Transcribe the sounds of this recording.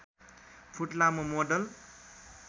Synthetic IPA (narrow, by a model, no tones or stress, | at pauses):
pʰuʈlamomoɖʌl